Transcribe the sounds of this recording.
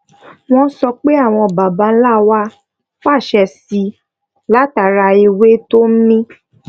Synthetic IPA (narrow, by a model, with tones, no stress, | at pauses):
w̃ɔ̃˦sɔ˧k͡pe˦a˦˨w̃ɔ̃˧ba˨ba˧˦n̩˦la˦˨wa˦ | fa˦˨ʃɛ˧si˧ | la˦ta˨ɾa˧i˧we˦to˦m̩˦mĩ˦